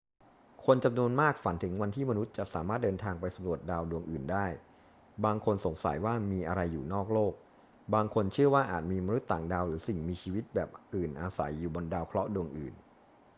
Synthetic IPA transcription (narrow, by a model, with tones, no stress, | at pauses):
kʰo˧nt͡ɕa˧mnu˧ənmaː˥˩k̚fa˨˩˦nt̪ʰɯ˩˦ŋwa˧nt̪ʰiː˥˩ma˧nu˦˥t̪̚t͡ɕa˨˩sa̰ː˩˦maː˥˩t̪̚dɤː˧nt̪ʰaː˧ŋpa˧jsa˩˦mɾu˨˩ət̪̚daː˧wdu˧əŋʔɯː˨˩ndaː˥˩j | baː˧ŋkʰo˧nso˩˦ŋsa̰˩˦jwaː˥˩miː˧ʔa˧ɾa˧jːuː˨˩nɔː˥˩k̚loː˥˩k̚ | baː˧ŋkʰo˧nt͡ɕʰɯ˥˩ɐwaː˥˩ʔaː˨˩t̪̚miː˧ma˧nu˦˥t̪ːaː˨˩ŋdaː˧wɾɯː˩˦si˨˩ŋmiː˧t͡ɕʰiː˧wi˦˥t̪̚bɛː˨˩p̚ʔɯː˨˩nʔaː˧sa̰˩˦jːuː˨˩bɔ˧ndaː˧wkʰlɔ˦˥ʔdu˧əŋʔɯ̰ː˨˩n